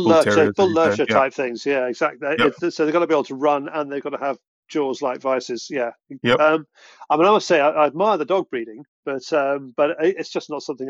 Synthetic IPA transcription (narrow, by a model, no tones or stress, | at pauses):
lɜˑəbɪllɜˑ˞ətʰaɪp̚θɪ̃ŋz̥jæɪɡzak̚tˡliɪsoʊðɪɡɑnəbiebl̩ˠtʰəɹʌ̃nə̃nðeɪvɡɒnəəv̥ | d͡ʒ̥ɔːzlaɪkv̥aɪsɪz̥jæʌ̃m | aɪmĩnaɪmʌstseɪaɪʔaɪəd̚maɪəðədɒɡ̚bɹiɾɪ̃ŋb̥ʌtʌ̃mb̥ʌɾɪɪtsd̥ʒ̥ʌsnətsʌ̃mθɪ̃ŋ